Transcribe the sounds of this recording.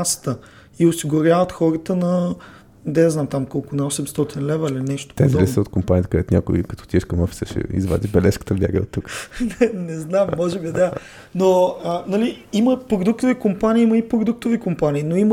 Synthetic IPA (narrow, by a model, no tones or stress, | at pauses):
ast̪ə | iʊsiɡʊɾʲjavət̪xɔɾət̪ənɐ | d̪ɛznamt̪amkɔlˠkʊnɐɔsɛmst̪ɔt̪inlɛvəilinɛʃt̪o̥t̪ɛzɾɛssəot̪kʊmpaniət̪kod̪ɛt̪ʊnʲa̰kʊ̰ikɐt̪ɔ̥t̪iɛʃkɐmɔfi̥səʃɛ̰ḭzva̰d̪ʲibɛlɛʃkə̥t̪əbʲja̰ɡə̰o̰t̪ːuknɛnɛznamːɔʒɛbid̪a | noənɐli | iməpɾod̪uk̚t̪ovikʊmpaniːiməipɾod̪uk̚t̪ovikʊmpaniːnoim